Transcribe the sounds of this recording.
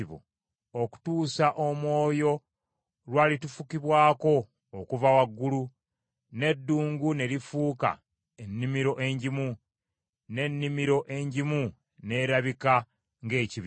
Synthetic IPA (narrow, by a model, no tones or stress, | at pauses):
iβo̰ | oku̥tuːsaʔomwo̞ːjo̞ | lwaːlitufukiβwaːko̞ː | kuvawaɡːulu | ne̞dːuːŋɡune̞ɾifuːka̰ | enːimiɾo̞ʔe̞ɲɟimu | ne̞nːimiɾo̞ʔe̞ɲɟimu | ne̞ːɾaβika | ŋɡe̞ːciβ